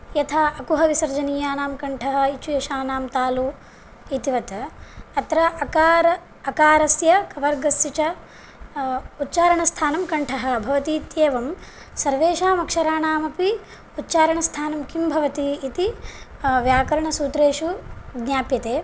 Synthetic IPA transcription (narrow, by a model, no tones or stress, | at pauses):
jɐt̪ʰaːʔɐkuɦɐʋisɐɾd͡ʒɐniːjaːnaːmkɐɳʈʰɐɦɐ̆it͡ʃujɐʃaːnaːmt̪aːlu | it̪iʋɐt̪ɐɐt̪ɾɐkaːɾ | ɐkaːɾɐsjɐkɐʋɐɾɡɐsjit͡ʃɐ | ut̪ːt͡ʃaːɾɐɳɐst̪ʰaːnɐmkɐɳʈʰɐɦɐ̆bʱɐʋɐt̪iːt̪jeːʋɐm | sɐɾʋeːʃaːmɐkʂɐɾaːɳaːmɐpi | ut̪ːt͡ʃaːɾɐɳɐst̪ʰaːnɐmkimbʱɐʋɐt̪iːt̪i | ʋjaːkɐɾɐɳɐsuːt̪ɾeːʂuɡɲaːpjɐt̪eː